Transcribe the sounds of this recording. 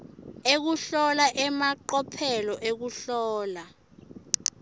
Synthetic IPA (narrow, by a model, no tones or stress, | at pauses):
ek̬uɬɔlaʔɛmaǃɔpʰɛlɔʔek̬uɬɔːla